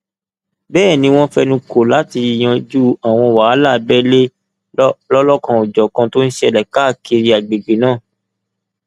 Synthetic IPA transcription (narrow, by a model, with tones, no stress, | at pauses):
bɛː˦˨nĩ˧˦w̃ɔ̃˦fɛ˦nũ˧ko˨la˨˦ti˧˨j̃ã˧d͡ʒu˦a˨w̃ɔ̃˧˨wa˨˦la˦˨bɛ˦le˦ | lɔ˦lɔ˦kã˧o˨d͡ʒɔ˨kã˧to˦n̩˦ʃe˦ɛ˧lɛ˨ka˦˨ke˧ɾi˧˦a˨ɡ͡be˨ɡ͡be˨nãː˦˨